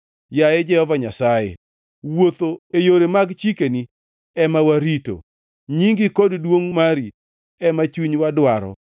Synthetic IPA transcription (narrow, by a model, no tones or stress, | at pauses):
jajɛd͡ʒɛhɔvaɲasajḛ | wot̪oejoɾemaɡt͡ʃikeni | ɛmawaɾito̰ | ɲiŋɡɪkoddwoŋmaɾi | ɛmat͡ʃuɲwadwaɾɔ̰